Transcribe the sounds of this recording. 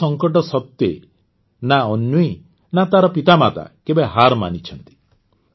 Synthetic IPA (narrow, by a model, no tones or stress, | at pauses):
ɔŋkɔʈɔsɔt̪je | naɔnjui | nat̪aɾɔpit̪amat̪a̰kebeɦaɾma̰nit͡ʃʰɔnt̪i̥